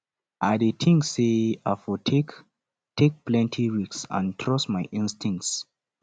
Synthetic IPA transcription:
ʔadetʰĩŋseafɔtʰek | tʰek̚plɛ̃ntʰiɹiksã̰ntʰɹɔsmajʔĩnstĩŋk̚ts

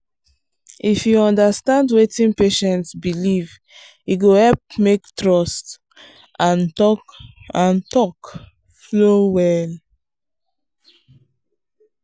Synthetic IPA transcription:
ʔifjuɔ̃ndastãndwetĩnpeʃɛ̃ntsbiliv | juɡohɛlp̚mektɹɔst | ʔãnɔãntɔk | flowɛl

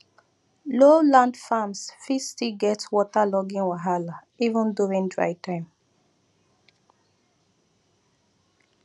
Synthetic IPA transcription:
lolãndfamsfistiɡɛtwɔtalɔɡĩnwaɦala | ivə̃nduɹĩŋdɹa̰ɪtãɪ̃m

